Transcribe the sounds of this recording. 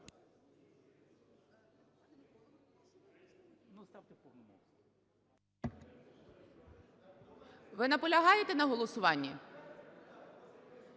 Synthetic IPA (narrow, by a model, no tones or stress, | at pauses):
nst̪ɑwt̪ɪpɔnm | ʋɪnɐpɔlʲɐɦɑjet̪enɐɦɔlˠɔsʊʋɑnʲːi